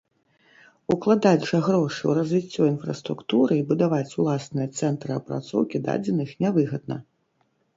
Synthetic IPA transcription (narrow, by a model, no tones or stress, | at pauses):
uklˠad̪ad͡zʲʐaɣɾɔʂɨwɾɐzʲvʲit͡sʲːɔinfɾɐ̰st̪ɾukt̪uɾɨibud̪avat͡sʲulˠasnɨjɐt̪sɛnt̪ɾɨɐ̰pɾa̰t̪sɔ̰wkʲid̪a̰d͡zʲɛnɨxnʲavɨɣɐd̪̚nɐ̰